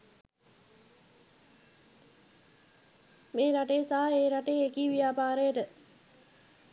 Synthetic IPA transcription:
meːɾaʈejəsaɦaeːɾaʈejekiːʋijaːpaːɾəjəʈə

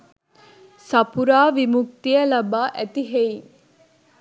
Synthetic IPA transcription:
sɐpuɾaːʋimuk̚t̪iɐlɐbaːʔæt̪iɦeiŋ

